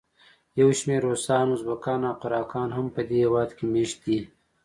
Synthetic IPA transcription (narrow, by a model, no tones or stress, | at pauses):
jɐwʃmeɾosɑːnozbɐkɑːnawqʊɾɑːkɑːnhampəd̪ehewɑːd̪kemeːʃt̪̚d̪i